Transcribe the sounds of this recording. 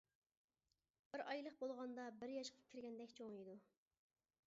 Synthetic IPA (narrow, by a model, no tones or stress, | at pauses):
b̥ɪɾɑjlˠəqbolˠʁɑnd̪ɑbɪɾjɑʃqʰɑ̥kʲʰɪɾɡʲɛnd̪ɛkʲt͡ʃʰoŋjid̪u